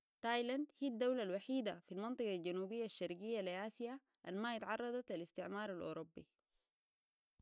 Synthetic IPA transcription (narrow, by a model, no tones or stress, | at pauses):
t̪aːjland̪hiːd̪ːawlalwaħiːd̪afilmɑnt̪ˤɨɡald͡ʒanuːbijːaʃːɑɾɡijːalʔaːsija | ʔanmaːjat̪ʕɑrˤːɑd̪ˤɑt̪alist̪iʕmɑːɾˤalʔo̰ɾobːi